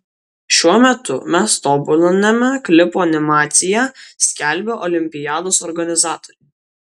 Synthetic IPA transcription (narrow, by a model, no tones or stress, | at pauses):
ʃʲuɔmʲɛt̪ʊmʲɛst̪oːbʊlʲnʲɛmʲɛklʲɪpoɐnʲɪmɑːt̪sʲɪjæːsʲkʲælʲbʲoːʔɔlʲɪmʲpʲɪjɑːd̪oːsɔɾɡɐnʲɪzɑːt̪ɔ̥ɾʲʊ